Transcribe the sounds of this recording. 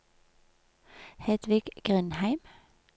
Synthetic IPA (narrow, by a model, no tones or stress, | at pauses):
hɛd̪̥ʋɪɡ̥ɡ̥ʁʏnhæɪm